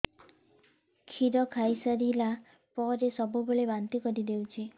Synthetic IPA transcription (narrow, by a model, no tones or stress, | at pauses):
kʰiɾɔkʰajsaɾila | pɔɾesɔbubeɭebant̪ikɔɾid̪ewt͡ʃʰi